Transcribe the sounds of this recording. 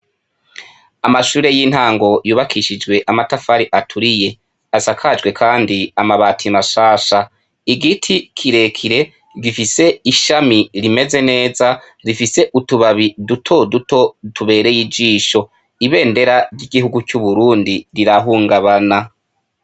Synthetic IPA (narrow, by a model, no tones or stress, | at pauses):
amaʃuːɾe̞jin̥haːŋɡo̞juːβakʰiʃid͡ʒwe̞ʔamatafaɾiʔatʰuɾije̞ | asakʰad͡ʒɡwe̞kʰaːndiamaβaːtʰimaʃaːʃa | iɡitʰikʰiɾe̞kʰiɾe̞ | ɡifise̞iʃamiɾime̞ze̞ne̞ːza | ɾifise̞ʔutuβaβidutʰo̞duto̞tuβe̞ːɾe̞jid͡ʒiːʃo̞ | iβe̞ːnde̞ɾaɾɟiɡiɦuɡucuβuɾuːndiɾiɾaɦuːŋɡaβana